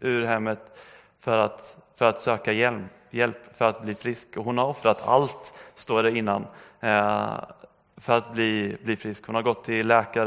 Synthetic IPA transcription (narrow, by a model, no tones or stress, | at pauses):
ʉɾɦɛmːət̪ | fœɾat̪fœɾat̪søːkajɛl | jɛlpfœɾat̪̚bliːfɾɪskɔɦʊnhaɾɔfɾat̪ʰa̰lt̪st̪oːɖɛɾɪnːan | fœɾat̪̚bliːbliːfɾɪskhʊnhaɾɡɔt̪ʰːɪlːɛːkaɾ